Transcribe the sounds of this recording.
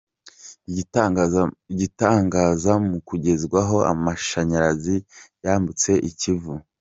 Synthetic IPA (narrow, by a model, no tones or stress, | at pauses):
iɟitaːŋɡaːzamukuɟe̞zɡwaɦo̞a̰maʃaɲaɾazijaːmbut͡se̞ʔicivu